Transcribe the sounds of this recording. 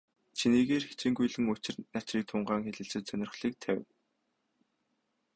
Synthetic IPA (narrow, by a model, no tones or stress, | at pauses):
t͡ɕʰiniːɣeːrxe̥t͡ɕĭːŋɡujɮɘ̆ŋʊt͡ɕɪ̆rnat͡ɕriːk̚t̪ʰʊɴɢaːŋxeɮɘ̆ɬt͡sɘ̆t͡ɕ̪sœnʲɪrχɮiːk̚t̪ʰæw̆ʲn